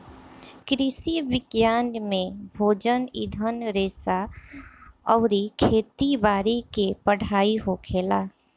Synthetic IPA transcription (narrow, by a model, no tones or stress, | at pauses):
kɾɪʃiʋɪɡjaːnmẽbʱoːd͡ʒənɪ̰d̪ʱənɾeːsa | ɔːɾikʰeːt̪ibaːɾikepəɽ̤aːiɦokʰeːlaː